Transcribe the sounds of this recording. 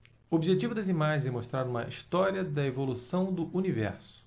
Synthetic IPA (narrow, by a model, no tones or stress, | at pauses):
obiʒet͡ʃivʊd̪ɐzimaʒẽzɛmoʃt̪ɾaɾũmɐʔiʃt̪ɔɾiɐd̪ɐevolusɐ̃w̃d̪ʊʔunivɛ̰ɾsʊʊ̥